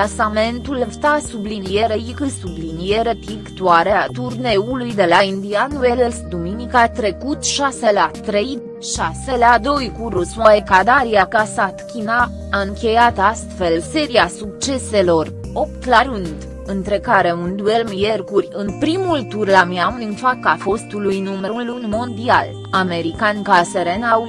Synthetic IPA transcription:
asame̞nt̪ulft̪asublinijeɾeikɨsublinijeɾet̪ikt̪uaɾeat̪urne̞ulujd̪e̞laind̪ianuelelsd̪uminikat̪ɾe̞kut̪ʃaselat̪ɾe̞j | ʃaselad̪o̞jkuɾusuaekad̪aɾiakasat̪kʲinaː | ɨŋkʲe̞jat̪ast̪fe̞lse̞ɾiasuk̚t͡ʃe̞se̞lo̞r | o̞p̚t̪laɾɨnd̪ | ɨnt̪ɾe̞kaɾe̞und̪ue̞lmje̞rkuɾʲɨnpɾimult̪urlamiamlɨnfakafo̞st̪ulujnumeɾulunmo̞nd̪ia̰l | ame̞ɾikankaseɾena

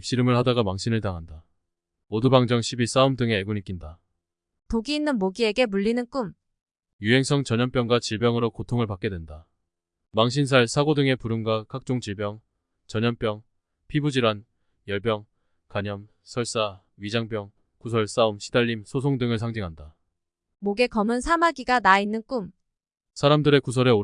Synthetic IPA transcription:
ip̚ɕ͈iɾɯmɯɭhadaɡamaŋɕʰinɯɭtaŋɦanda | odubaŋd͡ʑʌŋɕʰibis͈aumdɯŋe̞eɡunik͈inda | toɡiːnːɯnmoɡie̞ɡe̞muʎːinɯnk͈um | juɦe̞ŋsʰʌŋt͡ɕʌɲʌnp͈jʌŋɡwat͡ɕiɭbjʌŋɯɾokotʰoŋɯɭpak͈e̞dwenda | maŋɕ̬ʰins̬ʰaɭsʰaɡodɯŋe̞puɾɯnɡwakʰak̚t͡ɕ͈oŋd͡ʑiɭbjʌŋ | t͡ɕʌɲʌnp͈jʌŋ | pʰibud͡ʑiɾwan | jʌɭpjʌŋ | kaɲʌm | sʰʌɭs͈a | ɥid͡ʑaŋp͈jʌŋ | kus̬ʰʌɭs͈aumɕʰidaʎːimsʰosʰoŋdɯŋɯɭsʰaŋd͡ʑiŋɦanda | moɡe̞kʌmɯnsʰamaɡiɡanainːɯnk͈um | sʰaɾamdɯɾe̞kusʰʌɾe̞o

